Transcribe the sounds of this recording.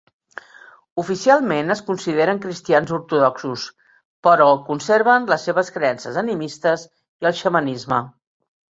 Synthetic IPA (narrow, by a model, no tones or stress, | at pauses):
ufisialˠmenəskunsiðeɾəŋkɾist̪ianzuɾt̪uðɔksus | pəɾɔkunseɾβənləsːeβəskɾeɛnsəzənimist̪əz | iəlˠʃəmənizmə